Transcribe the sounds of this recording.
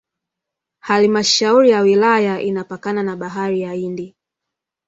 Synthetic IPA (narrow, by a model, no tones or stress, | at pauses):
halimaʃauɾijawilajaʔinapakananaɓaɦaɾijaindi